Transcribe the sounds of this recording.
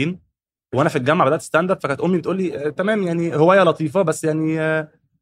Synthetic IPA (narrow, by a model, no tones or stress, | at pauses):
iːn | weʔænæfilɡæmːaʕbed̪æʔt̪e̥st̪ænd̪æfækænt̪ʔomːibet̪ʔuːlːit̪æmæːmjaʕnihowæːjælɑt̪ˤiːfɑbæsːjaʕni